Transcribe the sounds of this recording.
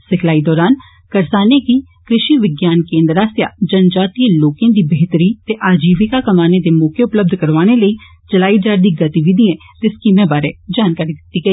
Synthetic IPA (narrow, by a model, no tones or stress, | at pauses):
sɪkʰlaːiːd̪ɔːɾaːn | kəɾsaːneːkiː | kɾɪʃiːʋɪɡjaːnkẽːnd̪ɾaːsja̰ːd͡ʒənd͡ʒaːt̪iːẽːloːkẽːd̪iːbəɦt̪əɾiːt̪eːʔaːd͡ʒiːʋɪkaːkəmaːneːd̪eːmɔːkeʊpləb̚d̪ʱkəɾʋaːɽ̃eːləiː | t͡ʃəlaːiːd͡ʒaːɾd̪iːɡət̪iːʋɪd̪iẽː | t̪eːskiːmẽːbaːɾeːd͡ʒaːnkaːɾiːd̪ɪt̪ːiːɡəiː